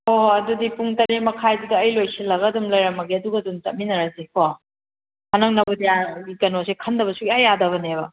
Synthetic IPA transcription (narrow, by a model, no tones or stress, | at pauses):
oɐdudipuŋtɐɾemɐkʰajdidɐːjlojsʰilːɐɡɐdumlɐjɾɐmɐɡiɐduɡɐdumt͡ʃɐt̚minɐɾaseko | hɐnɐŋnɐbudiaɡikɐnosekʰɐndɐbɐsukajadɐβɐnebɐ